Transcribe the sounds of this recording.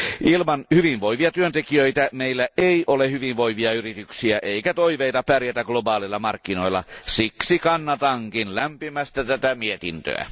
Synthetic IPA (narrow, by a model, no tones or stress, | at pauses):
ʔilmɑnhyʋinʋoiʋiɑt̪yønt̪ekiøit̪æmeilːæʔeiʔolehyʋiʋʋo̞iʋiɑyrit̪yksiæʔeikæt̪oiʋeit̪ɑpærjæt̪æɡ̥lobɑːlilːˑɑmɑrkːino̞ilːˑɑ̰siksikɑnːɑt̪ɑŋkinlæmpimæst̪æt̪æt̪æmiet̪ḭnt̪ø̰æ̰